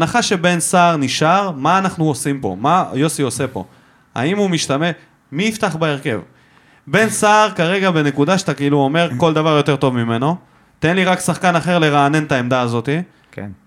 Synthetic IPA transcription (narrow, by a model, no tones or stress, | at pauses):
naχaʃe̞be̞nsaːʁniʃaʁmaːnaχnuosimpo̞̰majo̞sio̞se̞po̞̰ | a̰imumiʃt̪ame̞ | miift̪aχbaeʁke̞v | be̞nsaːʁkaʁe̞ɡabe̞ne̞kud̪aʃat̪akeiluo̞me̞ʁko̞ld̪avaʁjo̞t̪e̞ʁt̪o̞vmime̞no̞ | t̪e̞nliʁaksaχkanaχe̞ʁle̞ʁaːne̞nt̪ae̞md̪aːzo̞t̪i | ken